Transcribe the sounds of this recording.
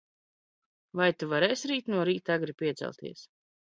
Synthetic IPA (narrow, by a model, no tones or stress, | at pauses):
vajt̪uvaɾɛːjsɾiːt̪nuɔɾiːt̪aɡɾipiɛt̪sɛ̰lˠt̪ḭɛs